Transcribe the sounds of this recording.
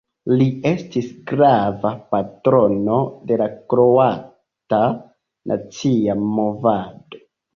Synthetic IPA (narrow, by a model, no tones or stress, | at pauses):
lie̞stisɡɾavapatɾo̞no̞de̞lakɾoa | ta | nʔa̰t͡siamo̞vado̞